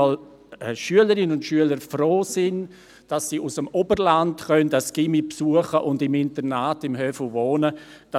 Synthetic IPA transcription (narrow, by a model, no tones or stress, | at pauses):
ɔl | ɛʃyələɾɪnənʊndʃyələɾfroːsɪn | d̥ɑsːiːʔusəmɔbərlantχœndəsɡ̥ɪmipsuəχəʔʊndɪmɪntəɾnaːtɪmɦœfl̩voːnəd̥ɑ